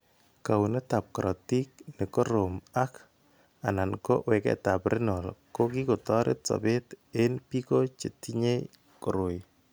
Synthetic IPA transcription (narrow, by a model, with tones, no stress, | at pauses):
ka˨wu˨nɛ˦ta˨p̚kɾʔɔ˨ti˦k̚nɛ˨ko˦ɾo˨ma˦k | a˨na˨nko˦ʔwɛ˨kɛ̰˨ta˨pɾʔɪ˦nɔ˨lko˦ki˦kɔ˨tɔ˦ɾʔḛ˦t͡sɔ̰˨bɪ˦tenpi˦ko˦t͡ʃe˨ti˦ɲe˦ | kɔ˨ɾʊ˨j